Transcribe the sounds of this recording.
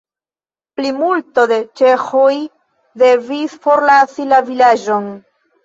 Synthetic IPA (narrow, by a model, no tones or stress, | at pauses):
plimulto̞de̞t͡ʃe̞xoj | de̞visfo̞ɾlasilavilad͡ʒo̞n